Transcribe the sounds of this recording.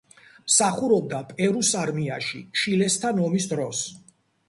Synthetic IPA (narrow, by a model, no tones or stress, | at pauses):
msaχuɾɔb̚d̪apʼɛɾusaɾmiaʃḭʃilɛst̪ʰanɔmisd̪ɾɔs